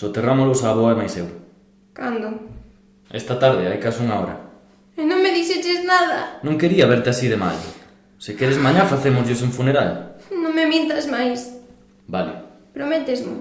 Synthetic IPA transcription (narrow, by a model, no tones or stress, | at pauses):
sot̪eramolosaːβoaemajsew | kand̪o | ɛst̪at̪aɾðɪajkasuŋaɔɾɐ̰ | enõŋmeðiʃet͡ʃeznaðɐnõŋkeɾiɐβeɾt̪ɪasiðema̰ʎʊ̰ | sɪkɛɾezmaɲafaθemʊzʎɪs̬uɱfuneɾalnõŋmemjẽnt̪azmajs | balɪ | pɾomɛt̪ezmʊ